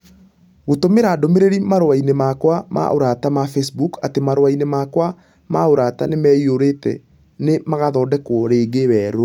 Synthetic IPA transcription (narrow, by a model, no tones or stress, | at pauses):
ɣotomeɾaːdomeɾeɾimaɾowainemakwama̰ʔoɾatamafɛsbukatemaɾowainemakwa | maoɾata̰nemɛioɾetɛ̰ | nemaɣaðɔːdɛkwɔɾeːɡewɛːɾo